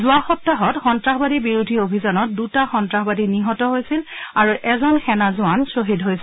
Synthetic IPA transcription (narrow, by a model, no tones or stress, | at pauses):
zʊaxɔtːaɦɔtxɔntɹaxɔbadibiɹudʱiobʱizanɔt̚dutaxɔntɹaxbadiniɦɔtɔɦojsilaɹuʔɛzɔnxɛnazʊansɹoɦidɦojsil